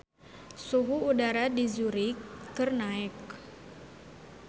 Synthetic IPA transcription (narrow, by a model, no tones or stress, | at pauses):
suɦuudaɾadizuɾikərnaɪk̚